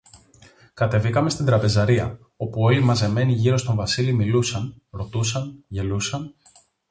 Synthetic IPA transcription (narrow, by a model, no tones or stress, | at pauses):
kɐt̪e̞vikɐme̞st̪ind̪ɾɐpe̞zɐɾiɐ | o̞puo̞limɐze̞me̞niʝiɾo̞st̪o̞ɱvɐsilimilusɐnɾo̞t̪usɐnʝe̞lusɐn